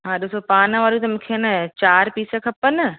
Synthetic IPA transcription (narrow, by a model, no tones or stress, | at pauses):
ɦãːɗosopaːnəʋaːɾut̪ɐmũːkʰenɐt͡ɕaːɾpiːsə̆kʰɐpənɪ